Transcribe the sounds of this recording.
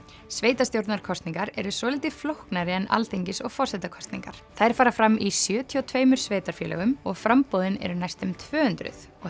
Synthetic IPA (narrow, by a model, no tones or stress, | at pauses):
sveːjt̪ast̪jowɾt̪naɾkʰɔst̪niŋkaɾɛ̰ɾʏsɔːlɪjt̪ɪflowhknaɾɪɛna̰lt̪eɲcɪsɔɣfɔr̥sɛt̪akʰɔst̪nḭŋka̰ɾ̥θajɾ̥faːɾafɾamʔisjœːt̪ʰiɔwt̪ʰveːjmʏɾ̥sveːjt̪aɾ̥fjɛːlɛ̰ɣʏmɔɣfɾampowðɪnɛ̰ɾʏnajst̪ʏmt̪ʰvœːhʏnt̪ɾʏ̰θ | ɔɣ